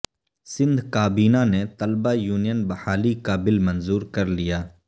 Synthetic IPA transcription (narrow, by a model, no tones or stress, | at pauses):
sɪ̃nd̪ʱkaːbiːnanet̪ɐlbajuːnijənbɐhaːlikaːbɪlmɐnzuːɾkɐɾlijaː